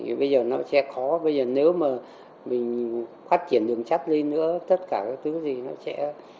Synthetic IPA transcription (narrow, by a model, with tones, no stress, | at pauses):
ɓə˧jzəː˨˩nɔ˨˦sɛ̰˧˥xɔ˨˦ɓə˧jzəː˨˩ne˨˦wmaː˨˩ | mï˨˩ŋ̟ | faː˦˥t̚t͡ɕi˧˩ənɗɨ˨˩əŋt͡ɕa˦˥t̚le˧nːɨ̰˧˥ət̪ə˦˥t̚kaː˧˩kaː˨˦k̚t̪ʰɨ˨˦zi˨˩nɔ˨˦sɛ̰˧˥